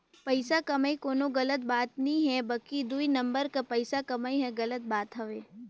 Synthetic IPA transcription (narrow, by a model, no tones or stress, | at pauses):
pɐɪsakɐmaːikoːnoɡɐlət̪̚baːt̪nĩɦɛbɐkid̪uinɐ̃mbəɾkapɐɪsakɐmaiɦɛ̃ɡɐlət̪̚baːt̪ɦɐʋeː